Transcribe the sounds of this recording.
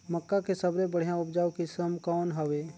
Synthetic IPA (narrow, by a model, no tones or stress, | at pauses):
məkːakesɐbɾebəɽ̤jãʊpd͡ʒaːwkisəmkɔːnɦɐʋeː